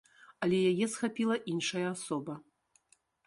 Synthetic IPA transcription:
ɐlʲɛjajɛsxapʲilˠɐʔinʂɐjɐasɔbɐ

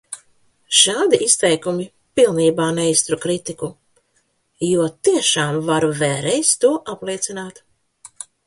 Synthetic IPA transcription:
ʃaːd̪iʔist̪ɛjkumi | pilˠniːbaːnɛjst̪ɾukɾit̪iku | juɔt̪iɛʃaːmvaɾuvɛːɾɛjst̪uɔʔaplˠiɛt̪sinaːt̪

